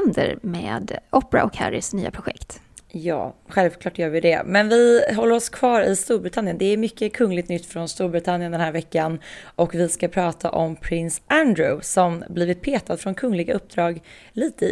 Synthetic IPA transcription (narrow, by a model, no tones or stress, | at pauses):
nd̪ə̰ɾmḛːd̪ʔɔpɾa̰ʔɔkhæ̰ɾɪ̰sny̰ːa̰pʰɾʊɧɛ̰kt̪ | jɑ̰ːɧɛlvkʰlɑːʈjœːɾvɪd̪ɛ̰mɛnvɪɦɔlːəɾɔskʰv̥ɑːɾɪst̪uːɾbɾɪt̪ʰanjənd̪ɛæɾmʏkːəkʰɵŋːlɪɡt̪nʏt̪ːfɾɔnst̪uːɾbɾɪt̪ʰanjənd̪ɛnhæːɾvɛkːanɔkvɪskapʰɾɑːt̪ʰa̰ʔɔmpʰɾɪnsʔænd̪ɾʊsɔmbliːvɪt̪̚pʰeːt̪ad̪fɾɔnkʰɵŋːlɪɡaʔɵp̚ːd̪ɾɑːɡliːt̪ə